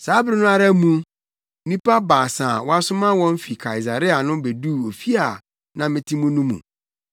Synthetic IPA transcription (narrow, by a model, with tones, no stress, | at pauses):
saː˨˦bɾɪ˦nʊ̃˦a˦ɾa˦mũ˦ | mĩ˦pa˦baː˨sã˨wɔ˦a˦sʊ˦mã˦wɔ̃˦m˦fi˨kʰa˨i˨s̬a˨ɾɪ˦a˨nʊ̃˦be˨du˦˨o˨fi˦a˨ | nã˨mɪ̃˦tʰi˦mũ˦nũ˦mṵ̃˨